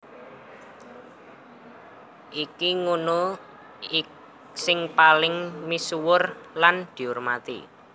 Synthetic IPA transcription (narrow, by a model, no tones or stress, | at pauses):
ʔikiŋuno | sɪŋpalɪŋmisuwʊrland̪̥i̤ʊrmat̪ḭ